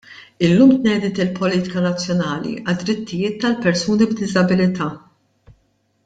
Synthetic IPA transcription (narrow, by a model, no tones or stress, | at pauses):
ɪlːuːmt̪nɛːd̪ɪt̪ɪlpɔliːt̪ɪ̥kɐnɐt͡sːjɔnɐːlḭʔɐd̪ɾɪt̪ːɪjɪːt̪ːɐlpɛɾsuːnibd̪ɪzɐbɪlɪt̪ʰɐː